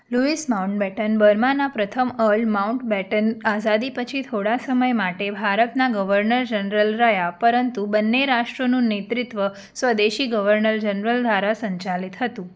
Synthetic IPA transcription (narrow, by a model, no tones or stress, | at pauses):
luismauɳʈ̚bɛʈənbəɾmãnapɾət̪ʰəməɭmauɳʈbɛʈənazad̪ipət͡ʃʰit̪ʰoɽasəməjmaʈebʱaɾət̪naɡəʋəɾnəɾd͡ʒənɾəlɾəjapəɾənt̪ubənːeɾaʃʈɾonũnet̪ɾɪt̪ʋə | sʋəd̪eʃiɡəʋəɾnəɾd͡ʒənɾəld̪ʱʋaɾasəɲt͡ʃalit̪ɦət̪ũ